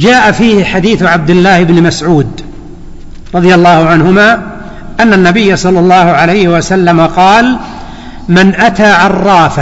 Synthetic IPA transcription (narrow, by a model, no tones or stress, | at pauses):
d͡ʒaːʔafiːhɪħad̪iːθʕab̚d̪ɪlːaːhɪbnmasʕuːd̪ | ɾˤɑðˤjalˤːɑːhʊʕanɦʊmaː | ʔanːanːabɪjːasˤɑlːɑlˤːɑːhʊʕalajhɪwasalːamaqɑːl | mɪnʔat̪aːʕɑrˤːɑːfa